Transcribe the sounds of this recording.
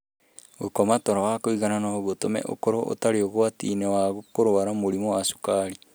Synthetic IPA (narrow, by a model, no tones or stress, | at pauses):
ɣokɔmatɔɾawakoiɣananaɣotomɛ̰ʔo̰koɾoʔo̰taɾeoɣoatḭːnɛwaɣokoɾwaɾamoɾimɔwasu̥kaɾi